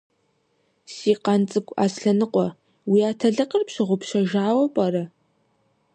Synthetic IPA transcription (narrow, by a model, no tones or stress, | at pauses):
siːqɑnt͡sʼɨkʷʼa̰ːsɬɐnɨqʷʼɔ | wiaːtʰɐɮɨqʼərpɕɪʁʷʊpʰʃɐʒaːwɐpʼɐɾɐ